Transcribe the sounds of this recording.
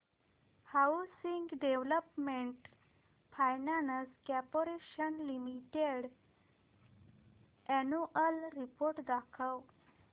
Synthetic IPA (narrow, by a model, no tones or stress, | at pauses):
hawsiŋɡɖeʋləpmeɳʈ | fajnanəskɛpoɾeɕənlimiʈeɽ | ɛnuʔəlɾipoɾʈd̪akʰəw